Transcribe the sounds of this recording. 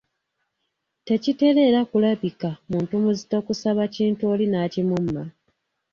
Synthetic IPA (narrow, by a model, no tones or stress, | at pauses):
te̞cite̞ɾe̞ɾakulaβikamuːntumuzito̞kusaβaciːntuo̞linaːcimumːa